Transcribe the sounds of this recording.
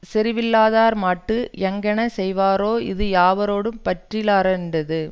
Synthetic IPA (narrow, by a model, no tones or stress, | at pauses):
sɛɾɪʋɪlːaːðaːɾmaːʈːɯɛŋɡɛnɐsɛjʋaːɾoːɪ̰ðɯjaːʋɐɾoːɽɯmpɐʈrɪlaːɾɛnd̪ɐðɯ